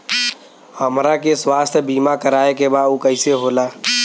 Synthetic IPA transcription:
həmɾakeswaːst̪ʰbiːmakəɾaːekebaːukəɪseɦoːlaː

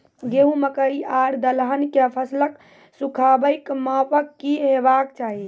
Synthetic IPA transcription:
ɡeɦũməkəɾiaɾd̪əlɦənkepʰəslək | sukʰabəɪkmapəkːiɦebakt͡ʃaɦi

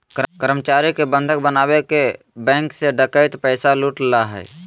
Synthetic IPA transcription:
kəkəɾmət͡ʃaːɾikebə̃nd̪ʱək̚bənaːbeke | bɛ̃ːŋkseɖəkəɪt̪pəɪsaluːʈlaɦɛ̰j

